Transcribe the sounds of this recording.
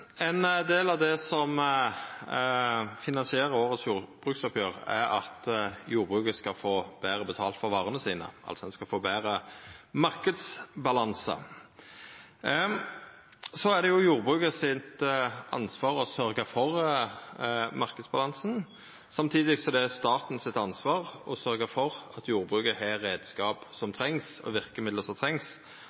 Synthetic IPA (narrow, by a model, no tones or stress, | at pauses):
ɛnd̪eːlɑʋd̪ɛsɔm | fɪnɑnsɪeːʁəɾoːʁət̪sjuːb̥ʁʉːksɔpʰjøːʁæ̰ɾɑ̰t̪juːʁbʁʉːkəskɑfoːbæːʁəbət̪ʰɑ̰ːlt̪fɔʁʋɑːʁənəsiːnə̰ʔɑ̰lsɔd̪ɛnskɑlfoːbæːʁəmɑʁkəd̪sbɑlɑnsə̰ | sɔæd̪ɛjʊjuːʁbʁʉːkəsɪt̪ʔɑ̰nsʋɑːʁɔsœɾɡəfɔʁ | mɑʁkəd̪sbɑlɑnsn | sɑmt̪ʰiːd̪ɪɡsɔd̪ɛæst̪ɑːt̪n̩sɪt̪ɑnsʋɑːʁɔsœɾɡəfɔʁɑt̪juːʁbʁʉːkəɦɛːʁeːd̪skɑːpsɔmt̪ʰʁɛŋsɔ̰ʋɪʁkəmɪd̪ləsɔmt̪ʰʁɛŋs